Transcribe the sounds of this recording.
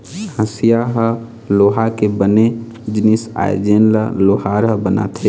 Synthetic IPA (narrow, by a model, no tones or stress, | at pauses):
hə̃sijaɦə | loːɦakebəne | d͡ʒɪnisa̰j̰d͡ʒenlə̰loːɦaɾɦəbəna̰t̪ʰe